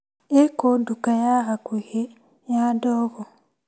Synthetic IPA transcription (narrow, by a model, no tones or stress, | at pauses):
ekondukajaɣakuhe | jadoːɣo